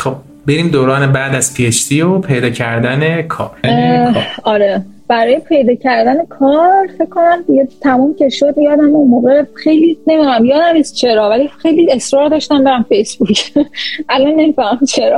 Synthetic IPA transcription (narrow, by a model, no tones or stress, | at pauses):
χob̚ | beɾiːmd̪oːɾɒːnebæːd̪æz̥pʰieʃt̪ʰiopʰejd̪ɒːcʰæɾd̪æne̞kʰɒ̰ːɾ | ɒɾe | b̥æɾɒːjepʰe̞jd̪ɒːcʰæɾd̪æne̞kʰɒːɾfe̞cʰːo̞næmd̪iɟet̪ʰæmuːmcʲʰe̞ʃod̪jɒːd̪æmunmoːɣexe̞jlinemifææmjɒːd̪æmiːst͡ʃʰe̞ɾɒːvælixe̞jlie̞sɾɒːɾd̪ɒːʃt̪æmbeɾæmfejsbucʰʔælɒnːe̞mifæmæmt͡ʃʰe̞ɾɒː